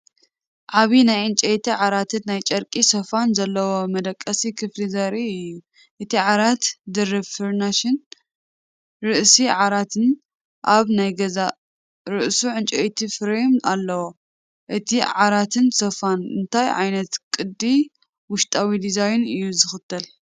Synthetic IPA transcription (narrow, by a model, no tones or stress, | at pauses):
ʕaβinajʕɨnt͡ʃʼɐjt̪ʰiʕaɾat̪ʰɨt̪najt͡ʃʼɐɾkʼisɐfanzɐlːɐwo̞mɐd̪ɐkʼːɐsikʰɨflizɐɾiɨjːu | ʔɨt̪ʰiʕaɾat̪d̪ɨɾɨβfɨɾnaʃɪn | ɾɨʔsiʕaɾat̪ʰɨn | ʔaβnajɡɐza | ɾɨʔsuʕɨnt͡ʃʼɐjt̪ʰifɨɾemnalːɐwo | ʔɨt̪ʰiʕaɾat̪ʰɨnsɐfanɨnt̪ʰajʕa̰jnɐt̪kʼɨd̪i | wʊʃt̪ʼawid̪izajnɨjːuzɨxɨt̪ʰːɐl